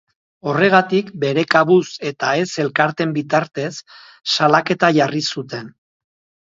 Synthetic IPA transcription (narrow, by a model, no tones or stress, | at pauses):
o̞re̞ɣ̞at̪ikbe̞ɾe̞kaβuse̞t̪ae̞se̞lkaɾt̪e̞mbit̪aɾt̪e̞sː | alake̞t̪aʝarisut̪e̞n